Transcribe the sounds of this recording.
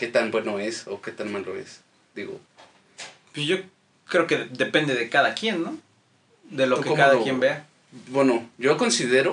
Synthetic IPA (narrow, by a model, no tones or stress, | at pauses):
ke̞t̪anbwe̞noesoke̞t̪anmaloḛs | d̪̥iɣo̰ | pwesʝo | kɾe̞oke̞d̪e̞pe̞nd̪eðekaðakje̞nːo | d̪elokekaðajembea | bwenoʝokonsiðeɾo